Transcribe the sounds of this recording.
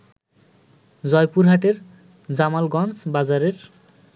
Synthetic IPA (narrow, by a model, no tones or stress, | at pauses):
d͡zɔjpuɾɦaʈeɾ | d͡zamalɡɔnsbazaɾeɾ